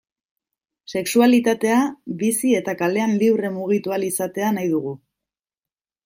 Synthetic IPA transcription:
se̞ksualit̪at̪e̞aβisie̞t̪akale̞anliwremuɣ̞it̪ualisat̪e̞anajðuɣ̞u

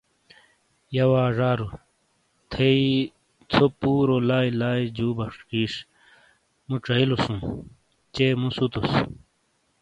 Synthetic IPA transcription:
jɐwaːʐaːɾu | t̪ʰei | t͡sʰopuːɾolaːilaːid͡ʑuːbɐʂkiːʂ | muʈ͡ʂɐilusũ | t͡ɕeːmũsut̪us

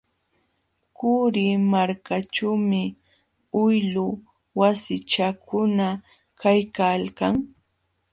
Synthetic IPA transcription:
kʊɾɪmaɾkat͡ʃawmɪ | ʊjlʊ | wasɪt͡ʃakʊna | kajkalkaŋ

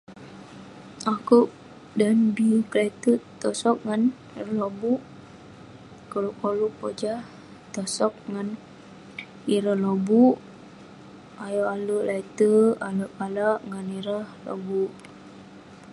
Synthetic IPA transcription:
akuʔ̚ | danbiklait̪ət̪ɔsɔk̚ŋan | lobuʔ | koluʔkoluʔpod͡ʒah | t̪ɔsɔk̚ŋan | iɾəhlobuʔ | ajɔʔaluʔlʔait̪əaluʔalaʔŋaniɾəhlo̰buʔ

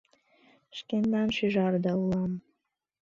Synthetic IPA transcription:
ʃkʲend̪ɑnʃyʒɑrd̪ɑuɑm

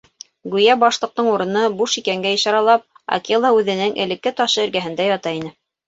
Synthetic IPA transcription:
ɡʉjæbɑʃlˠɤ̆q̚t̪ɤɴuɾɤ̆nɤbuʃikæŋɡæɤ̆ʃɑɾɑlˠɑp̚ | ɑ̰kilˠɑʉðɘ̆nɘŋʔɘ̆lɘ̆kːɘt̪ɑʃɤɘ̆ɾɡæɦɘ̆nd̪æjɑt̪ɑinɘ

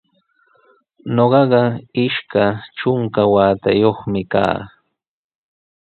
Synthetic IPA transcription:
noɢɑɢɑɪʃkaʈ͡ʂʊŋkawaːt̪ajoχmɪka̰ː

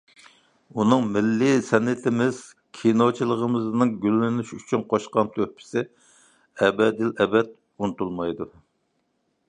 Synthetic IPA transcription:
unɨŋmɪlːɪsɛnːɪt̪ʰɪmɪz̥ | kʲʰinot͡ʃʰilˠəʁəmɨznɨŋɡʲylːɪnyʃyt͡ʃʰynqʰoʃqɑmt̪ʰøhpʰɪ̥sɪ | ɛbɛd̪ɪlɛbɛt̪̚ | unɨt̪ulˠmɑjd̪u

